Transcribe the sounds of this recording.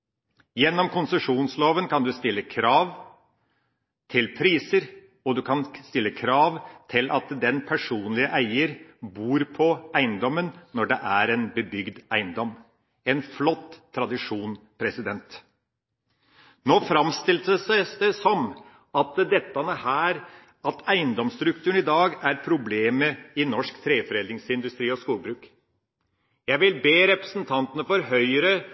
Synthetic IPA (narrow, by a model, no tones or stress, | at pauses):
jɛnːɔmkʰʊnsəʂuːnsloːʋənkʰɑnd̪ʉst̪ɪlːəkʰɾɑːʋ | t̪ʰɪlpʰɾiːsəɾ | ɔd̪ʉkɑnst̪ɪlːəkʰɾɑːʋt̪ʰɪlʔɑt̪d̪ɛnpʰæʂuːnlɪəʔæɪəɾbuːɾpʰɔæɪnd̪ɔmːənːɔɖɛʔæɾenbəbʏɡd̪æɪnd̪ɔm | ɛnflɔt̪ʰːɾɑd̪ɪʂuːnpʰɾɛsɪd̪ɛnt̪ | noːfɾɑmst̪ɪlsəsæsd̪əsɔm | ɑt̪d̪ɛt̪ːɑnəhæːɾ | ɑt̪æɪnd̪ɔmst̪ɾʉkt̪ʰʉːəɳɪd̪ɑːɡæɾpʰɾʊbleːməɪnɔʂkt̪ʰɾeːfɔɾɛld̪ɾɪŋsɪnd̪ʉst̪ɾiːɔskuːlbɾʉːk | jæɪʋɪlbeːɾɛpɾəsn̩t̪ʰɑnt̪ənəfɔɾɦœʏəɾə